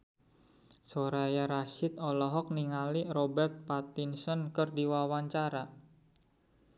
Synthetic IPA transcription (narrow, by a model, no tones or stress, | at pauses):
soɾajaɾaʃɪt̪̚ɔlɔɦɔk̚niŋalirobɛrt̪̚pat̪insɔnkɨrdiwawaɲt͡ʃaɾa